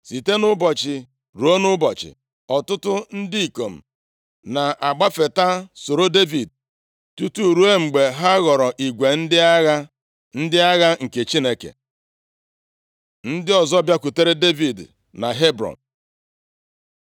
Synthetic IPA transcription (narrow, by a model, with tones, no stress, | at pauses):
si˨te˦nʊ˦bɔ˨t͡ʃɪ˨ | ɾu˨o˦nʊ˦bɔ˨t͡ʃɪ̰˨ | ɔ˨tʊ˦tʊ˦n̩˦di˦i˨ko˨m̩˨ | na˨a˨ɡ͡ba˦fe˨ta˦so˨ɾo˦de˦vi˨d̚ | tu˦tu˦˨ɾu˦e˦ŋ͡m̩˨ɡ͡be˨ɦa˦ɣɔ˨ɾɔ˨ʔi˨ɡʷe˨n̩˦dɪ˦a˦ɣa˦ | n̩˦dɪ˦a˦ɣa˦ŋ̩˨ke˨t͡ʃi˦ne˨kḛ˨ | n̩˦dɪ˦ɔ˨zɔ˦bja˦kʷu˨te˦ɾe˦de˦vi˨d | na˨ɦe˦bɾɔ̰˨n